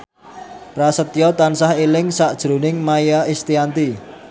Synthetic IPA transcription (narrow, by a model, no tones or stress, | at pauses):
pɾasət̪ijɔt̪ansahelɪŋsaʔd̥ʒ̥ɾṳnɪŋmajaɪst̪iant̪i